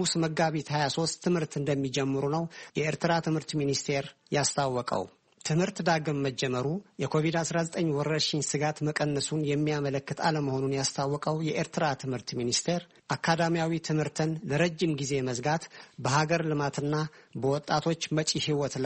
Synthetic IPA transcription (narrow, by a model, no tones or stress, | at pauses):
musməɡːaβit̪hajaso̞st̪ːɨmhɨɾt̪ɨnd̪əmːid͡ʒɛmːɨɾunəwjɛeɾt̪ɨɾat̪ʰɨmhɨɾt̪minist̪ʰe̞ɾjast̪ʰawːɔkʼə̰w | t̪ʰɨmhɨɾt̪d̪aɡəmːəd͡ʒːɛməɾujɛkʰo̞vid̪asɾazət̪ʼəɲːwɔɾːəʃɪɲsɨɡat̪məkʼənːəsunjɛmːijamələkːɨt̪ʰa̰ləməho̞nunjast̪ʰawːɔkʼəwjɛʔeɾt̪ʰɨɾat̪ʰɨmhɨɾt̪minist̪ʰe̞ɾ | ʔakʰːad̪amijawit̪ʰɨmhɨɾt̪ʰɨnləɾəd͡ʒːimɡize̞məzɡat̪bəɦaɡəɾlɨmat̪ʰɨnːabəwɔt̪ʼːat̪ʰo̞t͡ʃːmət͡ʃʼihiwɔt̪l